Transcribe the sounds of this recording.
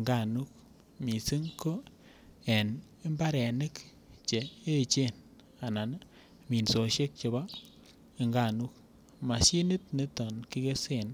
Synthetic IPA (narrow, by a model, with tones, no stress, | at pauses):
ŋɡa˦˨nu˦k | mi˨si˦ŋko˦ | ɛ˨n | e˦mba˦ɾɛ˨nɪ˦k | t͡ʃe˨e˦t͡ʃe˦˨n | a˨na˨n | mi˨nso˨ʃe˦k̚t͡ʃe˨ba˦ | e˨ŋɡa˨nu˦k̚ | ma˨ʃi˦ni˦t̚ne˦tɔ˨nki˦ke˦se˦˨n